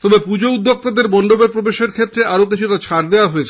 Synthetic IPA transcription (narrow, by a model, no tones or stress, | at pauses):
t̪ɔbepud͡ʑoud̪ʱːoɡ̚t̪ad̪eɾbɔnd̪obeɾpɾobeʃeɾkʰet̪ːɾeʔaɾokit͡ɕʰuʈat͡ɕʰaɾd̪eoaɦoet͡ɕʰ